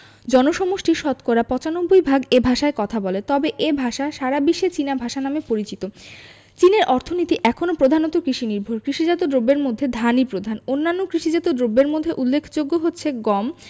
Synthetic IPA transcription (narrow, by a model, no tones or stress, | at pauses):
d͡ʑɔnoʃɔmoʃʈiʃɔt̪kɔɾapɔt͡ɕanobojbʱaɡebʱaʃaekɔt̪ʰabɔlet̪ɔbeʔebʱaʃaʃaɾabiʃet͡ɕinabʱaʃanamepoɾit͡ɕit̪o | t͡ɕineɾʔɔɾt̪ʰonit̪iʔɛkʰonopɾod̪ʱanot̪okɾiʃiniɾbʱoɾkɾiʃid͡ʑat̪od̪ɾobːeɾmod̪ʱːed̪ʱanipɾod̪ʱanonːanːokɾiʃid͡ʑat̪odɾobːeɾmod̪ʱːeʔulːekʰd͡ʑoɡːoɦotːɕʰeɡɔm